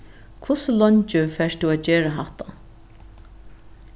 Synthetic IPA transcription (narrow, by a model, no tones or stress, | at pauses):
kʰvʊsʊlɔnt͡ʃəfɛːst̪ʰuaːd͡ʒeːɾaɦaht̪ʰa̰